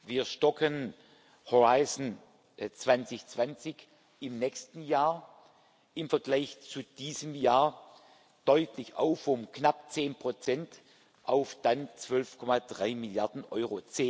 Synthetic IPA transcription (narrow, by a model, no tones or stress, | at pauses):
viːɐʃtɔkʰən | hoʁaɪzn̩ | t͡sv̥ant͡sɪçt͡sv̥ant͡sɪç | ɪmnɛçstn̩jaːɐ | ɪmfɛɐɡlaɪçt͡sud̥iːzəmjaːɐ | d̥ɔʏtʰlɪça̰ʊfʊmknapt͡seːnpʁ̥ot͡sɛnt | ʔaʊfd̥ant͡sv̥œlfkʰɔmadʁaɪmɪljaɐdn̩ʔɔʏʁot͡seː